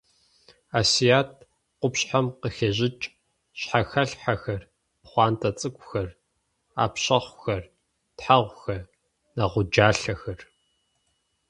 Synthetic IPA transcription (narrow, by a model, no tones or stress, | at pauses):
aːsijaːt̚ʰ | qʷʊpɕħamqəxeːʑɪt͡ʃʼ | ɕħaxɐɬħaxɐr | pχʷɑːntʰɐt͡sʼɨkʷʼxɐr | a̰ːpɕɐχʷxɐr | tħaʁʷxɐr | nɐʁʷʊd͡ʒaːɬɐxɐr